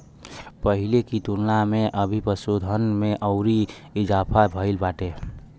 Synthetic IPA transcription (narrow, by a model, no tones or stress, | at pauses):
pəɦɪlekit̪uɾnamẽʔəbʱipəsod̪ʱənmeʔəʊɾiɪd͡ʒaːpʰabʱəɪlbaːʈe